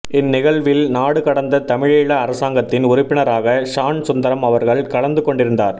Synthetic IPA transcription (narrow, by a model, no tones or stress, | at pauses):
ɪnːɪɣɐɭʋɪlnaːɽɯkɐɽɐnd̪ɐt̪ɐmɪɻeːɭɐːɾɐsaːŋɡɐt̪ːɪnʊɾʊpːɪɳɐɾaːɣɐʂaːɳsʊnd̪ɐɾɐmɐʋɐɾɣɐɭkɐɽɐnd̪ɯkɔɳɖɪɾɯnd̪aːɾ